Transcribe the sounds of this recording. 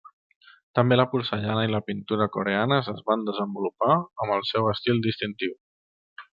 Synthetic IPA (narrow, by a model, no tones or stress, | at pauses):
t̪əmbeləpuɾsəʎanəiləpint̪uɾəkuɾeanəzəzβand̪əzəmbulupaəməlˠsɛwəst̪ilˠd̪ist̪int̪iw